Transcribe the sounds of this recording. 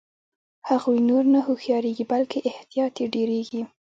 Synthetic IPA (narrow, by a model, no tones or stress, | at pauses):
haɣujnoɾnahoxjɑɾeɡibalkeʔɪht̪ijɑt̪eɖeɾeɡi